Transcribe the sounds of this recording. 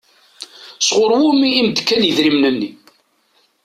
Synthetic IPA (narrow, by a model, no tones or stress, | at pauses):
sʁʊɾˤwumiːmd̪kːænjəðɾimnənːi